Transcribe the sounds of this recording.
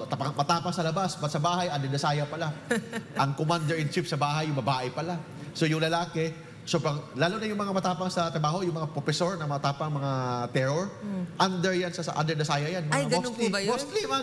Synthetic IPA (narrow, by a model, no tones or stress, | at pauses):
t̪ɐpɐŋmɐt̪aːpɐŋsɐlɐbasbɐt̪sɐbaːhɐjʔɐnd̪ɛd̪ɐsaːjɐpɐlaʔɐŋkomand̪ɛɹɪnt͡ʃɪpsɐbaːɦɐjʊŋbɐbaːʔɪpɐla | so̞jʊŋlɐlaːkɛ | sobɐŋlaːlonɐjʊŋmɐŋamɐt̪aːpɐŋsɐt̪ɾɐbaːɦo̞jʊŋmɐŋapɾofɛso̞ɹnɐŋmɐt̪aːpɐŋmɐŋat̪ɛɾoɹʔand̪ɛɹjansɐsɐ̰ʔa̰nd̪ɛɹd̪ɐsaːjɐjanmɐaɡonst̪lɐmost̪lima